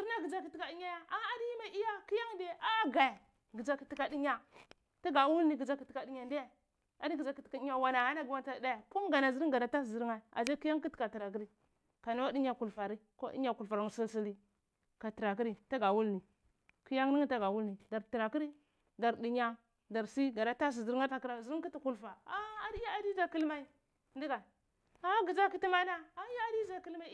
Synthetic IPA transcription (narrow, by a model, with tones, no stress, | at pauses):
zi˦a˦ɡi˨d͡ʒa˦ki˦ti˦ka˨di˦ɲa˦ja˦a˦a˦di˦i˦ma˦ʔi˦ja˦ki˦ja˦ŋde˦ʔa˦ɡa˨ | ɡi˨d͡ʒa˦ki˨ti˦ka˨di˦ɲa˦ | ta˦ɡa˨wu˦lni˨ɡi˨d͡ʒa˦ki˨ti˨ka˨di˦ɲa˨nda˦ja˦˨ | a˨di˦ɡi˨d͡ʒa˦ki˨ti̥˨ka˨i˦ɲa˦wa˨na˨ha˦na˦ɡi˨wa˦nta˦˨da˦ja˨ku˦ŋ˦ɡa˨na˨zi˦ɾi˦ŋ˦ɡa˨na˨ta˦szi˨ɾŋa˨a̰˨zi˦ki˦ja˦ŋki˦tka˨ti˨ɾa˨k̬i˦ɾi˦ | ka˨na˦wa˦di˦ɲa˦ku˨lfa˨ɾi˦ko̰˦dḭ˦ɲa˨ku˨lfa˨ɾa˨˦˨si˦lsi˦li˦ | ka˨ti˨ɾa˨k̬i˦ɾi˨ta˦ɡa˨wu˦lni˨ | ki˦ja˦ŋ˦ni˦ŋ˦ta˦ɡa˨wu˦lni˨da˨ɾti˨ɾa˨ki˦ɾi˦ | da˨ɾdi˨ɲa˦ | da˨ɾsi˦ɡa˨da˦ta˦s̬i˨zi˦ɾa˦ta˨ki˦ɾa˨zi˦ɾi˦ŋki˦ti˨ku˨lfa˨a˦a˨di˦ja˦a˨di˦za˦ki˦lma˦i˦ | ndi˦ɡa˨ | a˦ɡi˨za˦ki˦ti˦ma˦na˦a˦ja˦a˦˨di˦za˨ki˦lma˦